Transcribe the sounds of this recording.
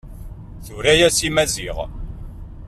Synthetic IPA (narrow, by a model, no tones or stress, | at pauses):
θuɾæjæsimæziʁ